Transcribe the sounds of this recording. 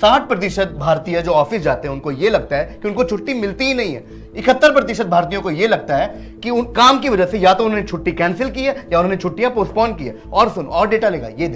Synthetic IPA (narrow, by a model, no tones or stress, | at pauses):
saːʈ̚ʰpɾɐt̪̬ɪʃət̪̚bʱaːɾt̪ijãd͡ʒoːɔːfɪsd͡ʒaːt̪eɦɛ̃ʊnkojelɐɡ̚t̪aɦɛːkiʊnkot͡ʃʰʊʈːimɪlt̪iɦinɐɦĩɦɛ̰ː | ɪkət̪ːəɾpɾɐt̪ɪʃət̪̚bʱaːɾt̪̬ijõkojelɐɡ̚t̪aɦɛː | kiʊnkaːmkiʋɐd͡ʒəsejaːt̪oʊnɦõːnet͡ʃʰʊʈːikɛ̃ːnsɪlkiɛːjaʊnɦõːnet͡ʃʰʊʈːijãpoːspɔːnɖkia̰ːɔːɾsʊnɔːɾɖeːʈaleːɡa̰jed̪ɪ